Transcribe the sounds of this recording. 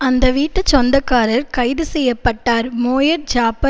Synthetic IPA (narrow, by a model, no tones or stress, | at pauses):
ɐnd̪ɐʋiːʈːɐt͡ʃːɔnd̪ɐkːaːɾɐɾkɐɪðɯsɛjːɐpːɐʈːaːɾmoːjɐɾd͡ʒaːpːɐ